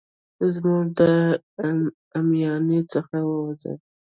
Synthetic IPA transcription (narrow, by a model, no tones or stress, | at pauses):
zmuʐd̪ə | amjɑnet͡səxawəwazə̰l